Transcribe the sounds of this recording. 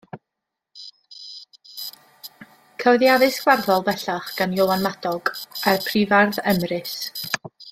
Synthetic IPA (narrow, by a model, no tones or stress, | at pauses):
kʰəwðjaðɨsɡ̥warðɔlˠbɛɬaχɡ̥anjɔwˠanmadɔɡarpʰrivarðɛmrɨs